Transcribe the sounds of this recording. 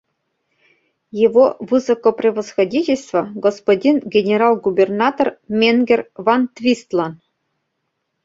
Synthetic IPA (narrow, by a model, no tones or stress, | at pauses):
jeʋovɨzokoprʲevosxodʲitʲelʲst̪vŏɡospodʲinɡʲenʲeɾɑlˠɡubʲernɑt̪ormʲeŋɡʲervɑnt̪ʲvʲist̪lˠɑn